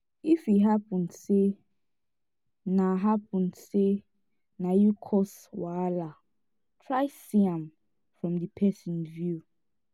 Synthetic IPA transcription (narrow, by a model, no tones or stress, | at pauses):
ifiɦapɔ̃ndse | naɦapɔ̃ndse | najukʰɔs | wala | tʰɹaɪsiãm | fɹɔ̃mdipʰɛsɔ̃nvju